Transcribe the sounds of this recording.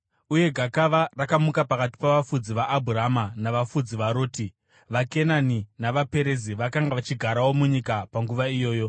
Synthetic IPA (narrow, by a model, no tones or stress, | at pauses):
uje̞ɡʱakaʋarakamukapakati̥paʋafud͡ziʋaʔːbʱuramanaʋafud͡ziʋaɾo̞ːti | ʋake̞naninaʋape̞ɾe̞ziʋakaŋɡaʋat͡ʃiɡʱaɾawo̞muɲikapaŋɡuʋaijo̞ːjo̞